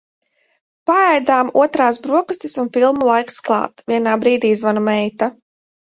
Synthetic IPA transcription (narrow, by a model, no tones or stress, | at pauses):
paɛjd̪aːmṵɔt̪ɾaːsbɾuɔkast̪ʲisunfilˠmulˠajksklˠɑ̰ːt̪vʲiɛnaːbɾiːd̪iːizvanumɛjt̪a